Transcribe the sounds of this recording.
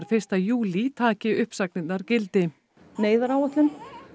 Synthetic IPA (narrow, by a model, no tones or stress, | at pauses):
ɾ̥fɪr̥st̪ajuːlit̪ʰaːcɪʏhpsaknɪt̪naɾcɪlt̪ɪ | neːjðaɾaːwaht̪lʏn